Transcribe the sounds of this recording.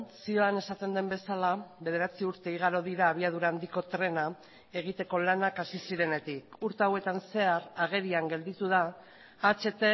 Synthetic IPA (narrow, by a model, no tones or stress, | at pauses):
sio̞ane̞sat̪end̪e̞mbe̞salaβe̞ðe̞ɾat͡siuɾt̪e̞iɣ̞aɾo̞ðiɾaːβ̞iað̞uɾaːnd̪iko̞t̪ɾe̞na | e̞ɣ̞it̪e̞ko̞lanakasisiɾe̞ne̞t̪ikuɾt̪e̞awe̞t̪anse̞aɾaɣ̞e̞ɾiaŋɡe̞ld̪it̪uð̞aː | t͡ʃe̞t̪e̞